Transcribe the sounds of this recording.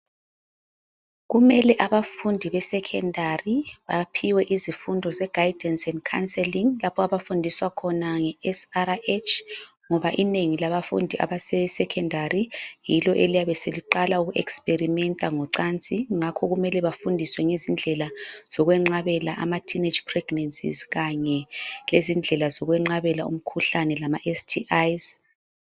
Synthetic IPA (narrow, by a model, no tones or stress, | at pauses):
ɣumɛlɛʔaβafundʱiβɛsɛkʰɛndʱariβa̰pʰiwɛʔizifundʱɔzɛɡ̥ʱajid̥ʱɛnsɛnkʰansɛliŋlapʰɔaβafundʱiswakʰɔnaŋɛɛsaɾaet͡ʃʰ | ŋɔβaʔineŋilaβafṵndʱiʔa̰βasɛsɛkʰɛndʱarijilɔʔelijaβɛseliǃalauɣuʔɛ̰ksperimɛntʼaŋɔǀant͡sʼiŋakʰɔɣumɛlɛβafundʱiswɛŋezind͡ɮʱɛlaz̥ɔɣwɛŋ͡ǃaβɛlaʔamatʰine̥d͡ʒpʰrɛɡ̥nansḭzɣaɲɛlezind͡ɮʱɛlazɔɣwɛŋ͡ǃaβɛlaṵm̩kʰuɬanɛlamaʔestʰiʔajz